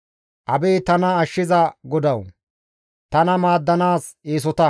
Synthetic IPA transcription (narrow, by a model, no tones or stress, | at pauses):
ʔɐbeːt̪ɐnɐːʃːɪzɐɡɔd̪ɐw | t̪ɐnɐmaːd̪ːɐnaːseːs̬ɔt̪ɐ